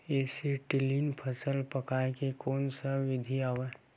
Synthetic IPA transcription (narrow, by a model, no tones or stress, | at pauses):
eːseʈɪliːnpʰəsəlpɐkaːekekoːnsaʋɪd̪ʱiaːʋe